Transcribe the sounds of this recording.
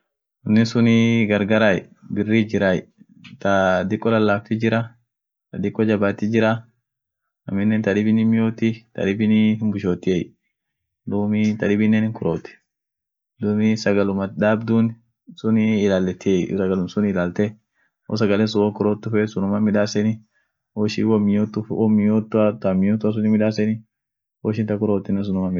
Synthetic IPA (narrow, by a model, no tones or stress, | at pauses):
ʊnːɪsʊnɪɡɐɾɡaɾaj | bɪrːid͡ʒɪɾaj̰ | t̪ɐd̪ɪkʼːɔlɐlːaːk̚t̪ɪd͡ʒɪɾɐ | t̪ɐd̪ɪkʼːɔd͡ʒɐbaːt̪ːɪd͡ʒɪɾɐ | ɐ̰mɪnːɛnt̪ɐᶑɪbɪnɪmɪjoːt̪ːɪt̪ɐ̰ᶑɪbɪnɪhɪmbʊʃoːt̪ːɪej | d̪uːmɪt̪ɐᶑɪbɪnːɛnɪŋkʊɾʔoːt̪ːɛ̥ | d̪umɪsɐɡɐlʊmɐd̪aːbd̪un | sʊnɪːlaːlːɛt̪ːɪɛsɐɡɐlʊnsʊnɪlaːlt̪ɛ | ɔ̰s̬ɐɡɐlɛns̬ʊwɔkʊɾoːt̪ːʊfɛsʊnʊmɐmɪᶑaːsɛnɪ | wɔʃḭwɔmɪjot̪ːʊfwɔmɪjoːt̪ːʊat̪ɐmɪjoːt̪ːʊɐs̬ʊnɪmɪᶑaːsɛnɪ | wɔʃɪnt̪ɐkʊɾoːt̪ːɪnːɛns̬ʊnʊmɐmɪ